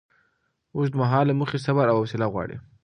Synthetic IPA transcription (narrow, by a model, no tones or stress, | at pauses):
os̬d̪əmaɦɑlamuxesabaɾawawasɪlaɣwɑ̰ɽḭ